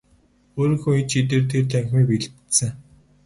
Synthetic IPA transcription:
oːɾɵ̆ŋxuŋit͡ɕit̪̬eːrt̪ʰert̪ʰæŋxʲmiːpeɮsɘ̆ŋ

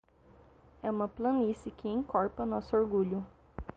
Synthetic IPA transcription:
ɛũmɐplɐ̃nisɪkʰɪẽŋkɔɾpɐnɔsʊoɾɡuʎʊ

